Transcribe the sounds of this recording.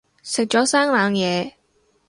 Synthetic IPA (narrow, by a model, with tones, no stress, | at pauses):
sɪ˨k̚t͡ʃɔː˨˥saː˥ŋlaː˨˧ŋjɛː˨˧